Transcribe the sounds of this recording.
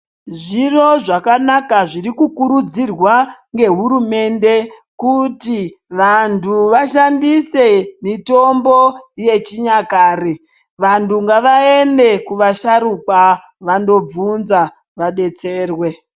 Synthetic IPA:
ʐiro̞ʐakanakaʐirikukuɾud͡zirwaŋɡe̞ɦuɾume̞nde̞kutiʋantʰuʋaʃandise̞mito̞mbo̞je̞t͡ʃiɲakaːre | ʋantuŋɡaʋae̞nde̞kuʋaʃaɾukwa | ʋando̞b͡vunza | ʋaɗe̞t͡se̞ːrwe̞

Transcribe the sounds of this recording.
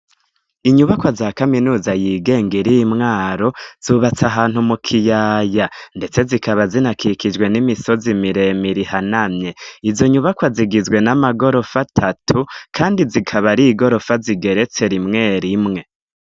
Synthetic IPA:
iɲuβakwazaːkaminuːzajiɡe̞ːŋɡiɾijmŋaːɾo̞z̥uβat͡saɦaːn̥humukʰijaːjande̞t͡se̞zikaβazinakʰikid͡ʒwe̞nimiso̞zimiɾe̞miɾihanamɲe̞izo̞ɲuβakwaziɡizɡwe̞namaɡo̞ɾo̞fatʰatʰukʰaːndizikʰaβaɾiɡo̞ɾo̞faziɡe̞ɾe̞t͡se̞ɾimŋe̞ːɾimŋe̞

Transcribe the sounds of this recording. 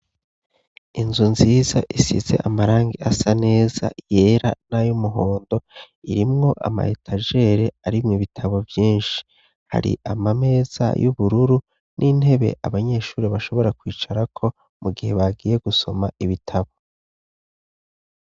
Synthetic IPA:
inzunziːzaʔisḭze̞̰ʔamaɾaːŋɡiasane̞ːza̰je̞ːɾa̰najomuɦo̞ːndo̞ | iɾimŋo̞ʔa̰ma̰hetʰaʒe̞ːɾe̞aɾimŋiβitʰaβo̞vjiːnʃi̥ | ha̰ɾḭʔamame̞ːz̥a̰juβuɾuɾu | nʔinhe̞βe̞̰ʔa̰βaɲe̞ːʃuːɾiβaʃo̞βo̞ɾakwiːt͡ʃaɾakʰo̞ | muɡihe̞βaɡiːje̞ɡuso̞maʔiβitʰaβo

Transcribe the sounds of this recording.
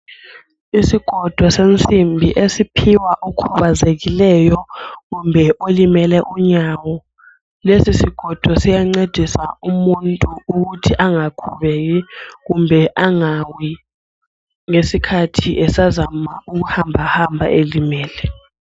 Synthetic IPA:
isiɡ̥ʱɔd̥ʱwɔsent͡sʼimbʱiʔesipʰiwaʔokʰuβazeɣilɛjɔɣumbʱɛʔolimɛlɛʔuɲawɔ | lesisiɡ̥ʱɔd̥ʱwɔsijaŋ͡ǀed̥ʱisaumuntʼuːɣutʰiʔaŋakʰuβɛɣɛɣumbʱɛʔaŋawi | ŋesikʰatʰiʔɛsazama̰uɣ̬uhambʱahambʱa̰ʔelimɛːlɛ

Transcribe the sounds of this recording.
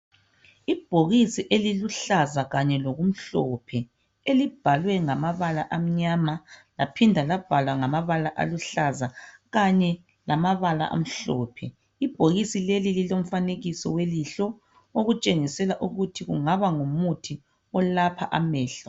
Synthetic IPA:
ib̥ʱoɣisiʔeliluɬazaɣaɲɛloɣum̩ɬɔpʰɛ | elib̥ʱalwɛŋamaβalaʔam̩ɲamalapʰindʱalab̥ʱalwaŋamaβalaʔa̰luɬazaɣaɲɛ | lamaβala̰ʔa̰m̩ɬɔ̰ːpʰɛ | ib̥ʱoɣisilelililom̩faneɣisɔweliɬɔ | oɣut͡ʃʼeŋisɛlaʔuɣutʰiɣṵŋaβaŋumutʰi | ɔlapʰa̰ʔamɛːɬa

